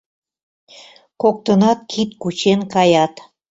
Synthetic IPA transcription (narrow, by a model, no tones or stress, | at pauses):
kok̚t̪ənɑt̪̚kʰit̪̚kut͡ɕenkɑjɑt̪